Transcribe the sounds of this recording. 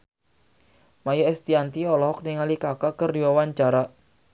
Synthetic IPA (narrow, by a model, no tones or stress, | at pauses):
majaɛst̪iant̪iɔlɔɦɔk̚niŋalikakakərdiwawaɲt͡ʃaɾa